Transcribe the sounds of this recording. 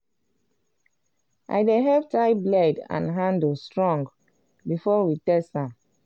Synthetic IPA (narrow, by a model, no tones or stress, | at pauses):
ʔa̰jdeɦɛp̚tajbladã̰nɦãndstɹɔ̃ŋɡ | bifɔwitɛstãm